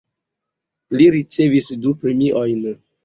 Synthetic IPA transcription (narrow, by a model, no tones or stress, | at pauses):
liɾit͡se̞visdupɾemiʔojn